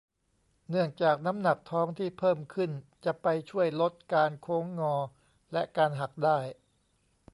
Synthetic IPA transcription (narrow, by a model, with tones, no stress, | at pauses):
nɯ˥˩əŋt͡ɕaː˨˩k̚na˦˥mna˨˩k̚t̪ʰɔː˦˥ŋt̪ʰiː˥˩pʰɤː˥˩mkʰɯ˥˩nt͡ɕa˨˩ʔpa˧jt͡ɕʰu˥˩əjlo˦˥t̪̚kaː˧nkʰoː˦˥ŋːɔː˧ | lɛ˦˥kaː˧nɦa˨˩k̚daː˥˩j